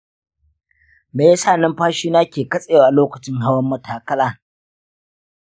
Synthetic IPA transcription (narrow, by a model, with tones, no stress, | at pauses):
meː˨ja˦saː˦˨nɪ˦mɸaː˦ʃiː˦naː˦kʲeː˨kɐ˦sʼe˦jaː˨ʔa˨loː˦kɐ˨t͡ʃɪ˦ŋɦa˦wɐ˦mːɐ˨tʰaː˨kɐ˦laː˨